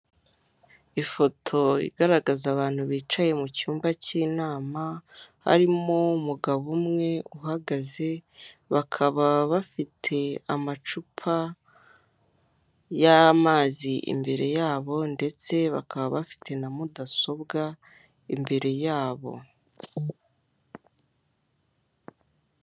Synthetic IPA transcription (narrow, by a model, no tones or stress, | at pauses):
ifo̞tʰo̞ḭɡaɾaɡazaβaːn̥huβiːt͡ʃaje̞mucuːmbaciːnaːmaha̰ɾimoumuɡaβumŋe̞uɦaɡaze̞βakʰaβaβafitʰe̞amat͡ʃupʰa | jamaːziʔḭmbe̞ɾe̞jaːβo̞nde̞t͡se̞βa̰kʰaβaβafi̥tʰe̞namudaso̞bɡa | imbe̞ɾe̞jaːβo̞̰